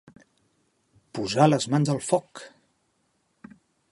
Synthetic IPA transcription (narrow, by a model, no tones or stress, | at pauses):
puzaləzmanzəlˠfɔk